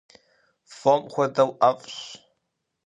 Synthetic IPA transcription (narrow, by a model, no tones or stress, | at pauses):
fɔmxʷɐdɐwʔɐfɕ